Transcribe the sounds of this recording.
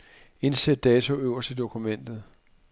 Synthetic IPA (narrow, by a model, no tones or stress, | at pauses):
e̝nsed̥ːɛːt͡sʰo̝øʊ̰ɐsd̥əd̥o̝kʰumen̰d̥ð̞̩ˠ